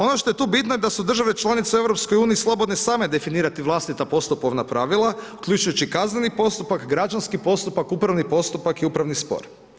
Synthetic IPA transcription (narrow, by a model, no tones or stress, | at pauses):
o̞noʃt̪o̞jet̪uːbit̪nojed̪asud̪r̩ʒaʋe̞t͡ʃlˠanit̪seeʋɾo̞psko̞juːniːslˠobo̞d̪nesaːme̞d̪e̞finiːɾat̪iʋlˠast̪it̪apo̞st̪upoʋnapɾaʋilˠaukʎʲut͡ʃujut͡ɕikaznenipo̞st̪upakɡɾad͡ʒanskipo̞st̪upakupɾaʋnipo̞st̪upakiupɾaʋnispo̰ɾ